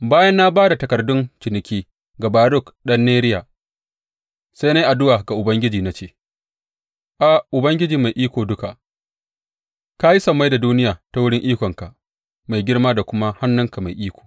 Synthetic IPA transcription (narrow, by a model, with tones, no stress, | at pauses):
baː˦jɐ˦nːa˦baː˦da˨tɐ˨kɐ˨rdʊ˦nt͡ʃɪ˨nɪ˨kʲiː˦ | ɡa˨baː˨˦ɾʊ˦˨kɗɐ˦nːeː˦ɾɪ˦jaː˨ | sa˦jna˦jʔa˨dʊ˦waː˨ɡa˨ʔʊ˨bɐ˦ŋɡʲɪ˦d͡ʒiː˨na˦t͡ʃeː˦˨ | ʔa˨ʔʊ˨bɐ˦ŋɡʲɪ˦d͡ʒiː˨ma˨jʔiː˦kʷoː˨dʊ˦ka˨ʔ | ka˦ji˦sɐ˨mːa˦jda˨duː˦nɪ˦jaː˨ta˨wʊ˦ɽɪ˦ŋʔiː˦kʷɔ˨ŋka˨ʔ | ma˨jɡʲɪ˦ɽmaː˦da˨kʷʊ˦ma˦ha˦nːʊ˦ŋka˨ma˨jʔiː˦kʷo̥ː˨